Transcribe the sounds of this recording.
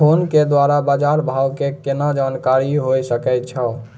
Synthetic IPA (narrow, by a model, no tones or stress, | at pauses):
onked̪waɾabad͡ʒaɾbʱawkekenad͡ʒankaɾiɦojsəkɛt̪̚t͡ʃʰəl